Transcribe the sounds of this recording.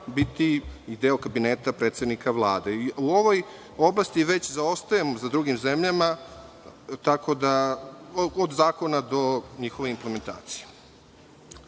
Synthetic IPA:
bit̪iid̪eːokabineːt̪apɾeːt̪sed̪nikaʋlˠaːd̪e̞iuoʋo̞j | o̞blˠast̪iʋe̞t͡ɕzao̞st̪ajemozad̪ɾuɡimzemʎama | t̪ako̞d̪a | od̪zaːko̞nad̪o̞ɲixo̞ʋeimpleme̞nt̪a̰ːt̪si̥je

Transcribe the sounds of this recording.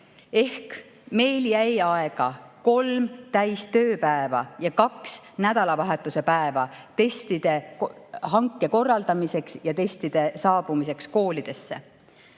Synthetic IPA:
e̞hk | me̞jljæjɑe̞ɡ̥ɑko̞lmt̪æjst̪ø̞ːpæevɑ̰jɑkɑks | næd̪̥ɑlɑvɑɦe̞t̪ːˑuse̞pæevɑt̪e̞st̪id̪̥e̞kɦɑŋkˑːe̞ko̞rːɑld̪ɑmise̞ksjɑt̪e̞st̪id̪̥e̞sɑːb̥umise̞ksko̞ːlid̪̥e̞sːe̞̰

